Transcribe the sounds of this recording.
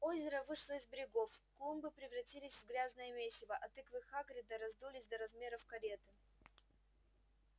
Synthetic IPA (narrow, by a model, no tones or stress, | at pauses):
ozʲɪɾəvɨʂlˠəɪzbʲɪɾʲɪɡo̞fklˠumbɨpɾʲɪvrɐtʲilʲɪsʲvɡɾʲaznəjəmʲesʲɪvəʔɐt̪ɨkvɨxaɡɾʲɪd̪əɾɐzd̪ulʲɪsʲd̪ɐɾɐzmʲe̞ɾəfkɐɾʲe̞t̪ɨ